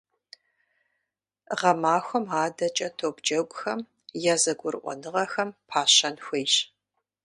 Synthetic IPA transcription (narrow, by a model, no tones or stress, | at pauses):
ʁɐmaːxʷɔmaːdɐt͡ʃʼɐtʰoːbd͡ʒɐɡʷʼʊxɐm | jaːzɐɡʷʊrʔʷɔ̰nɨʁɐxɐmpʰaːɕɐnxʷejɕ